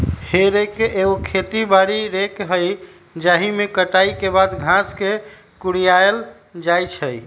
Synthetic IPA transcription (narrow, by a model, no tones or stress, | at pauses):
heɾejkeʔeokʰet̪ibaɾiɾekɦəj | d͡ʒaɦimekəʈaikebad̪ɡʱãske | kuɽijael | d͡ʒajt͡ʃʰəj